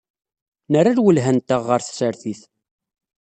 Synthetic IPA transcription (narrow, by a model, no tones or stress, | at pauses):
nəraɾwəlɦænt̪əʁːəɾθsəɾθiθ